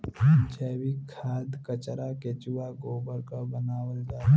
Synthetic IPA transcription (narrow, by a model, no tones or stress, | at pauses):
d͡ʒəːwikʰaːd̪kət͡ʃɾaket͡ʃuwaɡoːbəɾkabənaːwəld͡ʒaː